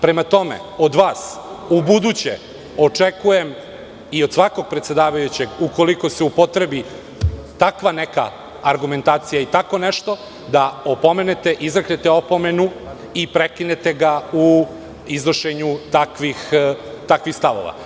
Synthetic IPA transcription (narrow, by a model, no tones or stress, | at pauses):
pɾe̞mat̪o̞mḛo̞d̪ʋaːsubud̪ut͡ɕḛ | o̞t͡ʂekuje̞m | iod̪sʋako̞ɡ̚pɾet̪se̞d̪aːʋajut͡ɕeɡuko̞liko̞seupo̞t̪ɾebi | t̪akʋaneka̰ː | ɾɡume̞nt̪aːt̪sijait̪ako̞neʃt̪o̞ | d̪aopo̞me̞ne̞t̪eʔizɾaknet̪eo̞po̞me̞nu | ipɾekinet̪eɡau | iznoʃeɲut̪akʋix | t̪akʋixst̪aʋo̰ʋa̰